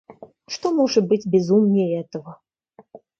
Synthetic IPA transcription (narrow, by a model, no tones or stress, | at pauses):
ʂt̪ɔmɔʐɐbɨd͡zʲbʲɛzumnʲɛɛt̪ɐvɐ